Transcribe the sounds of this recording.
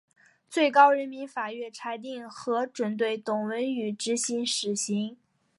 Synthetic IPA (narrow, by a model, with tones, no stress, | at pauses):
t͡swe˥˩ɪkɑ˥ʊɻə˧˥nmi˧˥nfa˨˩ɥɛ˥˩nʈ͡ʂʰa˧˥ɪt̪̬i˥˩ŋxɤ˧˥ʈ͡ʂwə˨˩nt̪we˥˩ɪt̪ʊ˨˩ŋwə˧˥ny˨˩ʈ͡ʂɻ̩˧˥ɕi˧˥ŋʂɻ̩˨˩ɕi˧˥ŋ